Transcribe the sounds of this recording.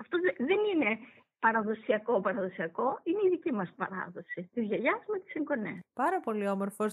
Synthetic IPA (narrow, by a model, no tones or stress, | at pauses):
ɐft̪oðenine̞ | pɐɾɐðo̞siɐko̞pɐɾɐðo̞siɐko̞ineiðicimɐspɐ̰ɾɐ̰ðo̞sit̪izʝɐʝɐzmet̪i̥siŋɡo̞nḛpɐɾɐpo̞lio̞moɾfos